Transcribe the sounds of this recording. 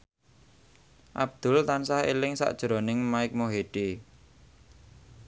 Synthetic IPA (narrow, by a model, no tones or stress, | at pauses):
ʔab̥̚d̪̥ʊ̤lt̪ansahḛlɪŋsa̰ʔd̥ʒ̥ɾonɪŋmaɪk̚moɦeɖ̥e